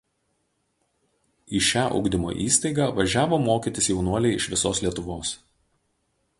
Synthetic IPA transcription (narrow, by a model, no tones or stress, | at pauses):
iʃʲæːʔʊ̰ɡd̪ʲɪmo̰ːʔiːst̪ɐɪɡɑːʋɐʒʲæːʋoːmoːkʲiˑt̪ʲɪsjɛʊnuɔlʲɛɪɪʃʋʲɪsoːslʲiɛt̪ʊʋoːs